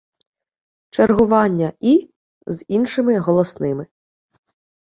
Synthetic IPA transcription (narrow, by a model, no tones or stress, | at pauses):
t͡ʃerɦʊʋɑnʲːɐi | zinʃɪmɪɦɔlˠɔsnɪmɪ